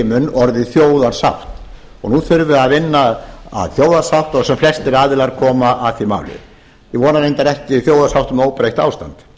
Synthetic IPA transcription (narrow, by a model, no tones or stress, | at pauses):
mʏnːɔɾðɪθjoːwðaɾ̥sawht̪ | ɔɣnuθʏɾvʏaðvɪnːaa̰ðθjoːwðaɾsawt̪ɔɣsɛmflɛst̪ɪɾaːðɪlaɾkʰɔːmaʔaθima̰ːwlɪ̰ | jɪvɔːnaðejnt̪aɾɛht̪ɪθjoːwðaɾsawht̪ʏmoːwpɾajht̪a̰ːwst̪ant̪